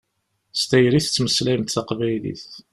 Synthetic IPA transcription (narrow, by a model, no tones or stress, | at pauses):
st̪æjɾiθt͡sːməslæjmt̪θaqvæjlḭθ